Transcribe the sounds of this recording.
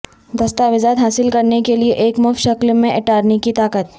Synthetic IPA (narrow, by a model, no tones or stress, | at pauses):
d̪ɐst̪aʋɪzaːd̪ɦaːsɪlkɐɾnekelieʔeːkmʊfʃɐklmẽʔɪʈaːɾnikit̪aːkət̪̚